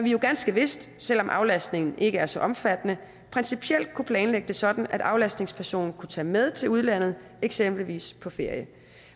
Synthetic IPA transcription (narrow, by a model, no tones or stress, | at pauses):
æʋijo̝ɡ̥ænsɡ̥əʋe̝sd̥sel̰ɒ̽mʔɑ̈ʊlæsd̥ne̝ŋn̩ʔe̝ɡ̥əæɐsɒ̽ʔɒ̽mfæd̥ənə | pʰʁɛnsipʰiel̰d̥̚kʰupʰlɛːnleɡ̥əd̥e̝sɒ̽d̥n̩æd̥ɑ̈ʊlæsd̥ne̝ŋspʰæɐso̝̰ːnn̩kʰut͡sʰɛ̰ːmeð̞ˠt͡sʰe̝luð̞ˠlæn̰ð̞̩ˠ | eɡ̥sem̰b̥liʋḭːspʰɒ̽fe̝ɐ̰jə